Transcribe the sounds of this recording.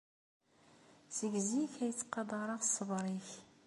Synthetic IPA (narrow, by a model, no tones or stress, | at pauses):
z̥əɡziçæjət͡sːqːɑd̪ˤɑɾˤɑʁsəvɾˤiç